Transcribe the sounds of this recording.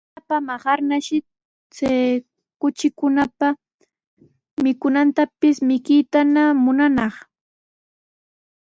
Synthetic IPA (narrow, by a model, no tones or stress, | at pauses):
apamaχɑɾnaʃɪ | t͡saj | kʊt͡ʃɪkʊnapa | mɪkʊnant̪apɪsmɪkɪjt̪anamʊnanɑχ